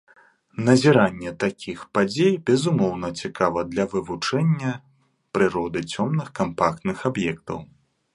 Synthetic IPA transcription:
nɐzʲiɾanʲːɛt̪akʲixpad͡zʲejbʲɛzumɔwn̪ɐt͡sʲikʰavɐd̪lʲɐvɨvut͡ʂɛnʲːɐ | pɾɨɾɔd̪ɨt͡sʲɔmnɨxkampakt̪nɨxabjɛk̚t̪ɐ̰w

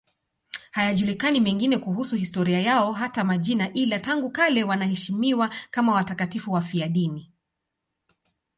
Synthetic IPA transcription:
hajaʄulikanimɛŋɡinɛkuɦusuhistɔɾiajaɔɦatamaʄinaʔilataŋɡukalɛwanahɛʃimiwakamawatakatifuwafiaɗini

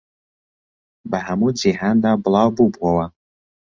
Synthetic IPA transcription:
baħamud͡ʒiħand̪ablawbubwawa

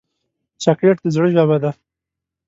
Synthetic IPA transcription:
sakleʈ̚d̪əzɽəʒaβad̪a

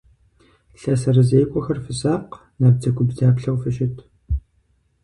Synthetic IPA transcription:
ɬɐsɐrɨzejkʷʼɔxɐrfɨsaːq | nɐb̚d͡zɐɡʷʰʊbzaːpɬɐwfɨʃɪtʰ

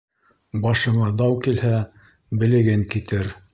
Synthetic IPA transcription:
bɑʃɤ̆ɴɑd̪ɑwkilhæ | bɘ̆lɘ̆ɡɘŋkit̪ɘɾ

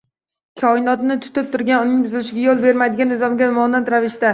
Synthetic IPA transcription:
kʲʰɒɪnɒt̪nɪt̪ʰʊ̥t̪ɪp̚t̪ʰʊɾɡʲanʊnɪŋʲbʊzɪlɪʃɪɡʲajolˠbe̞ɾmad̪ɪɡʲanːɪzɒmɡʲanmɒnat̪ɾavɪʃt̪a

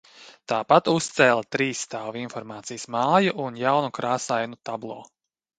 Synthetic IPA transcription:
t̪aːpat̪ust̪sɛːlˠat̪ɾiːsːt̪aːvinfɔɾmaːt̪sijəsmaːjuʔunjawnukɾaːsajnut̪ablˠoː

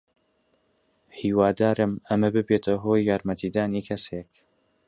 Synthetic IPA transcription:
hiːwaːd̪aːɾɨmɐmɐbɨbeːt̪ʰɐɦoːjːaːɾmɐt̪ʰiːd̪aːniːkʰɐseːk

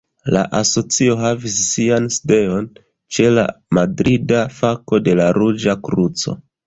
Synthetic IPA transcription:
la̰ʔaso̞t͡sio̞ɦavisːianside̞o̞n | t͡ʃe̞la̰madɾidafako̞de̞laɾud͡ʒakɾut͡so̞̰

